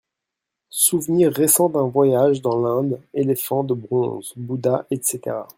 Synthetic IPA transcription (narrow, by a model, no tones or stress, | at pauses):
suvniʁːesɑ̃d̪ɛ̃vwajaʒd̪ɑ̃lɛ̃d̪elefɑ̃d̪əbʁɔ̃zbud̪aʔɛt̪set̪ḛʁa̰